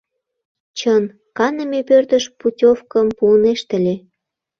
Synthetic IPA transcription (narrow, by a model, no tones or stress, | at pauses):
t͡ɕən | kɑnə̆mepørt̪ə̆ʃputʲofkə̆mpuəneʃt̪ə̆lʲe